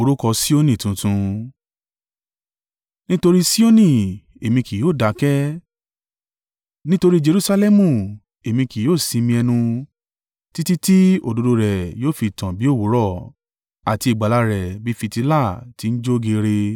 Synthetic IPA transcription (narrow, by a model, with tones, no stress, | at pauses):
o˨˧ɾu˦kɔ˧si˦o˦nĩ˦˨tũ˨˧tũ˧ | nĩ˦to˧ɾi˦si˦o˦nĩ˦˨ | e˨mĩ˧ki˨joː˦˨da˨˦kɛ˦ | nĩ˦to˧ɾi˦d͡ʒe˧ɾu˧sa˧lɛ˦mũ˦˨ | e˨mĩ˧ki˨joː˦˨sĩ˧mĩ˧ɛ˧nũ˧ | ti˦ti˦ti˦o˨do˨˧do˧ɾɛ˨joː˦˨fi˧˨tã˨bi˨˦o˦˨wo˨˦ɾɔ˦˨ | a˨ti˧i˨ɡ͡ba˨la˨˧ɾɛ˨bi˦fi˧ti˧la˦˨ti˨˦n̩˦d͡ʒo˦ɡe˧ɾe˧